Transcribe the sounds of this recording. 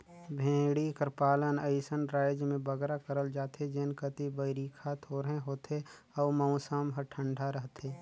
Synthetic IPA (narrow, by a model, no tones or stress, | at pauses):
bʱẽːɽikəɾpaːlənəɪsənɾaːjd͡ʒmẽbəɡɾakəɾəld͡ʒaːt̪ed͡ʒeːnkət̪ibəɪɾiːkʰat̪ʰoːɾɦẽɦoːt̪e | ɔːməʊ̃saːmɦəɾʈʰə̃ɳɖʱaɾəɦt̪ʰeː